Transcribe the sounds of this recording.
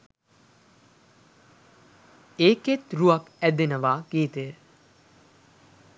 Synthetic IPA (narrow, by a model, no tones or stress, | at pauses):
eːket̪ruɐkæd̪enəʋaːɡ̥iːt̪əə